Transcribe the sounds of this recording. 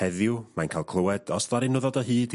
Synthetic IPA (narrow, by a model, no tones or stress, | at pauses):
ɛðjʊwmajnkʰajlˠkʰlˠəwɛd̥ɔsðaɾɪnʊðɔdəɦɨːd